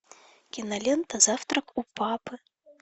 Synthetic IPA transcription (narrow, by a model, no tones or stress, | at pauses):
kʲinɐlʲɛnt̪ɐzawt̪ɾɐkupapɨ